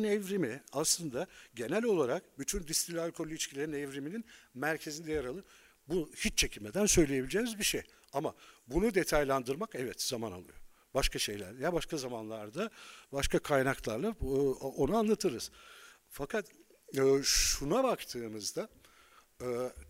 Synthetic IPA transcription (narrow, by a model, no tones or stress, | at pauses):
nɛvɾimiaslˠɯnd̪aɟe̞nælʲo̞lˠaɾak̚byt̪ʰynd̪ist̪ɾilʲalʲkʰo̞lʲːiit͡ʃcʰilʲe̞ɾinɛvɾimininmæɾcʰe̞zind̪ɛjaɾalˠɯ | buhit͡ʃt͡ʃʰːe̞cʰilʲme̞d̪ænsø̞jlʲeje̞bilʲd͡ʒeːnizbiʃej | amabunud̪e̞t̪ʰajlˠand̪ɯɾmakɛvɛt̪z̥amana̰lˠɯ̰jo̞ | baʃkaʃe̞jlʲæ̰ɾd̪ɛjabaʃkʰazamanlˠaɾd̪abaʃkakʰajnaklˠaɾlˠao̞nuanlˠat̪ʰɯɾɯz̥ | fakat̪ː | ʃunabakt̪ʰɯːmɯzd̪aː